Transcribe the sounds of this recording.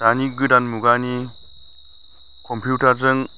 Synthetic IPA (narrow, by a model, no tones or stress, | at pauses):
daniɡɯdanmuɡani | kʰɔmpʰjutaɾzɯŋ